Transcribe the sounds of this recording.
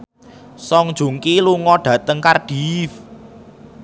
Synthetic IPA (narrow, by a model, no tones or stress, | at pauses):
sɔŋd̥ʒ̥ṳŋkiluŋɔɖ̥ä̤t̪əŋkarɖ̥if